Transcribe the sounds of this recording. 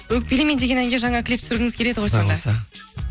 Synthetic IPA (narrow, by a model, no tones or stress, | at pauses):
wɵk̚ʲpelʲemend̪e̞ɡʲe̞næŋɡʲe̞ʒɑɴɑkʲʰlʲip̚t̪ʏ̥sɾɡʲɪŋɪzkʲʰe̞le̞d̪ɪqʰojsɑd̪ɑ